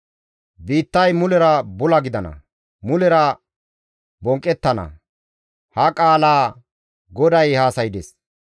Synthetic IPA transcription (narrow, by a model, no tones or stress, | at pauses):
biːt̪ːɐjmʊlɛɾɐbʊlɐɡɪd̪ɐnɐ̰ | mʊlɛɾɐ | bɔŋkʼːɛt̪ːɐnɐ̰ | hɐkʼaːlaː | ɡɔd̪ɐjhaːsɐjɪd̪es